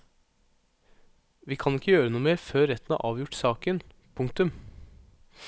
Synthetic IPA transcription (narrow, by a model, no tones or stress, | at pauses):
ʋiːkʰɑnɪkːəjøːɾənuːmeːɾføːɾːɛt̪n̩ɑ̰ːʔɑːʋjʊʈsɑːkən | pʰʊŋk̚t̪ʉm